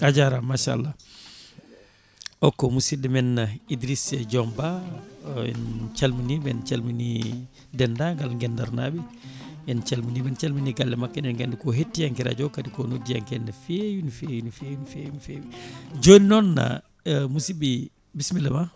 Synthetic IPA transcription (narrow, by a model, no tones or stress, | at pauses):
ad͡ʒaɾamaʃa̰lːa | ɔkːɔmusidɛmɛnːaidɾisɛd͡ʒɔmba | ɛ̰nt͡ʃalminibɛnt͡ʃalmini | dɛndaŋɡalŋɡɛnda̰ɾna̰ɓɛ | jɛnt͡ʃalminimɛnt͡ʃalminiɡalːɛmakːanɛnɡɛndɛkɔɦetːijaŋkiɾa̰d͡ʒɔkadikɔnodija̰ŋkɛnːafejunifejunifejunifejunifebid͡ʒonnɔnːa̰ | musibi | bismilɛma